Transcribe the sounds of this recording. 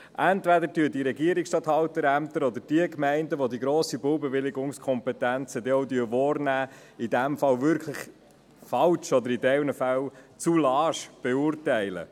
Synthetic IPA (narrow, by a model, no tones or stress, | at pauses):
ʔænt̪vædəɾtyədiɾɛɡiəɾiksʃtɑt̪hɑwt̪əɾæmt̪əɾɔd̪əɾd̥iəkmɛɪndəʋod̪iɡɾoːsibʊwbɛvɪlɪɡʊŋskʰɔmpɛt̪ænt͡səd̪eɔwd̪yəʋɔːɾnæː | id̪æmfɑlvʏɾkʰləχ | fɑlʃɔd̪əɾidɛwnəfælt͡sulɑːʃb̥ɛuːrtɛɪlə̰